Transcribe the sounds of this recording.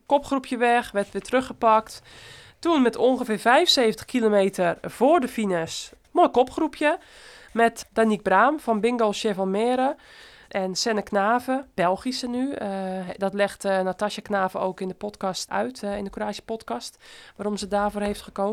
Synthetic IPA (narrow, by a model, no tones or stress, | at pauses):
kopχrupʰjəʋɛxʋɛrtʋɪːtrøxəpakt | tunmɛtʰonxəfɪːrfɛjvənseːvəntə̥xkʰilomeːtʰərv̥oːrdəfinəs | mojkopxrupʰjə | mɛtd̥anik̚braːmfɔnbɪŋɡolˠʃevɔlmɛːɾə | ʔɛnsɛnəknaːvəb̥ɛlˠxisəny | dɔtlɛxtnataʃjəknaːvəo̰ːkɪndəpɔtkɔstœ̰ɥtɪndəkoɾaːʃjə̥pɔtkɔstʋaːɾomsədaːvoːrhejftxəkoː